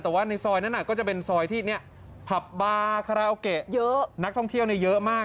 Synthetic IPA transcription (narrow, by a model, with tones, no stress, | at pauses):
t̪ɛː˨˩waː˥˩na˧jsɔː˧jna˦˥nʔa˨˩kɔː˥˩t͡ɕa˨˩pe˧nsɔː˧jt̪ʰiː˥˩ni˦˥˩ɐ | pʰa˨˩p̚baː˧kʰa˧ɾa˧˩ʔo˧ke˨˩ʔjə˦˥na˦˥t̪ʰɔ˥˩ŋt̪ʰi˥˩əwni˥˩jɤ˦˥ʔmaː˥˩